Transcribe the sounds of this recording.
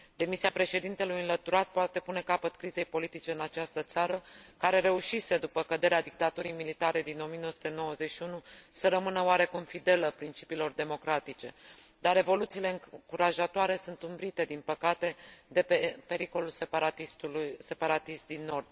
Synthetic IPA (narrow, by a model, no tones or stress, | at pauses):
d̪̥e̞misiapɾe̞ʃe̞d̪int̪e̞lujɨnlət̪uɾat̪̚poat̪e̞pune̞kapət̪kɾize̞jpo̞lit̪it͡ʃe̞ɨnat͡ʃast̪ət̪saɾəkaɾe̞ɾe̞uʃise̞d̪upəkəd̪e̞ɾead̪ik̚t̪at̪uɾijmilit̪aɾe̞d̪ino̞mijenoəsu̥t̪e̞no̞wəze̞t͡ʃʃiunusəɾəmɨnəoaɾe̞kumfid̪e̞ləpɾint͡ʃi̥piːlo̞rd̪e̞mo̞kɾat̪it͡ʃe̞d̪aɾe̞vo̞lut̪siːle̞ɨŋkuɾaʒat̪oaɾe̞sunt̪umbɾit̪e̞d̪inpəkat̪e̞d̪e̞pepe̞ɾiko̞lulseat̪ist̪ulse̞paɾat̪ist̪̚d̪inːo̞rd̪̥